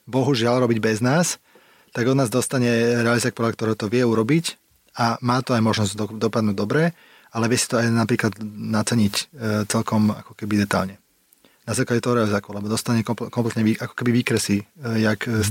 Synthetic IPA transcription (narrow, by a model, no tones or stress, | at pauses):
bɔɦuʒɪalɾɔbiɟbɛznaːs | t̪aɡɔd̪naːzd̪ɔst̪aɲɛɾɛalizaːk̚pɔɾak̚t̪ɔɾɛt̪ɔʋɪɛuɾɔbic | amaːt̪ɔajmɔʒnɔzd̪d̪ɔpad̪nuɟd̪ɔbɾɛ | alɛʋɪɛsi̥t̪ɔajnapɾiːklad̪nat͡sɛɲict͡sɛlkɔma̰kɔ̥kɛbid̪ɛt̪a̰lɲɛ | nazaːklaɟɛt̪ɔɦɔɾɛalizaːkulɛbɔd̪ɔst̪aɲɛkɔkɔmplɛt̪ɲɛʋiʔakɔ̥kɛbiʋiːkɾɛsijak